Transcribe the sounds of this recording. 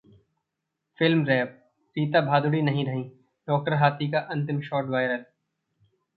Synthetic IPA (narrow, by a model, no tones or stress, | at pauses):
fɪlmɾɛ | piːt̪abʱaːd̪ʊɽinɐɦĩɾɐɦĩː | ɖɔːk̚ʈəɾɦaːt̪ikaʔɐ̃nt̪̬ɪmʃɔːɾʈʋaːɪɾəl